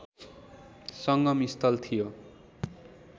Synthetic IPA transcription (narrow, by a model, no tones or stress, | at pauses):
sʌŋɡʌmist̪ʌlt̪ʰijo